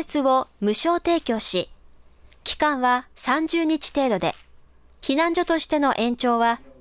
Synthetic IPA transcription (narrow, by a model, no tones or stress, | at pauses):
et͡sɨβo̞mɯ̟ɕo̞ːt̪e̞ːkʲo̞ːɕi | kʲi̥kãɰ̃βasãɲ̟d͡ʑɨːɲ̟it͡ɕi̥t̪e̞ːd̪o̞d̪e̞̰ | çinãɲ̟d͡ʑo̞t̪o̞ɕi̥t̪e̞no̞ʔẽ̞ɲt͡ɕo̞ːβa